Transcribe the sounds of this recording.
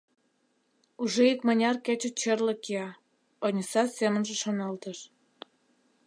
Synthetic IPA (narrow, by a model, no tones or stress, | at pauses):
uʒeikmɑnʲɑrket͡ɕə̆t͡ɕerlə̆kiɑ | onʲəsɑsemənʒĕʃonɑlt̪əʃ